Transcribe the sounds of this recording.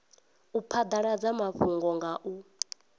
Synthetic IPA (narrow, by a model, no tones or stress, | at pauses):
upʰad̪aɺad͡zamaɸuŋɡɔŋɡaʔu